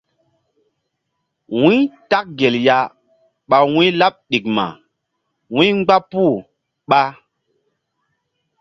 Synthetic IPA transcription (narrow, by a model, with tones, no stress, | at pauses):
wĩ˦ta˦k̚ɡe˨lja˨ | ɓa˨wĩ˦la˦p̚ɗi˨k̚ma̰˨ | wĩ˦ŋ͡mɡ͡ba˦pu˦˨ | ɓa˦